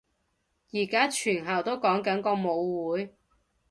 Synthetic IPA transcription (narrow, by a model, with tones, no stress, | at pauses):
jiː˨˩kaː˥t͡ʃʰyː˨˩nɦɐ˨˩wt̪o˥wkɔː˨˥ŋkɐ˨˥nkɔː˧mo˨˧wwuː˨˥j